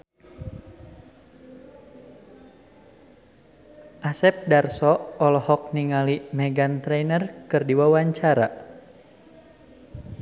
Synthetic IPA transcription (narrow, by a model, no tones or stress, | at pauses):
ʔasɛp̚darsɔɔlɔhɔk̚niŋalimɛɡant̪ɾɛnərkɨrdiwawaɲt͡ʃaɾa̰